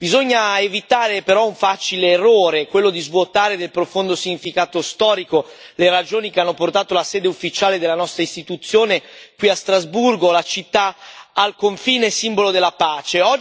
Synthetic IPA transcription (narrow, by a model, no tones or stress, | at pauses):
bizoɲːaevit̪aːɾepeɾɔuɱfat͡ʃileːroːɾekwelːod̪izvwot̪aːɾed̪elpɾofond̪osiɲːifikaːt̪ost̪ɔːɾikoleɾad͡ʒoːnik̟eanːoport̪aːt̪olasɛːd̪eufːit͡ʃaːled̪elːanɔst̪ɾaist̪it̪ut̪sːjoːnekwiast̪ɾazburɡolat͡ʃit̪ːaalkoɱfiːnesimbolod̪elːapaːt͡ʃeɔ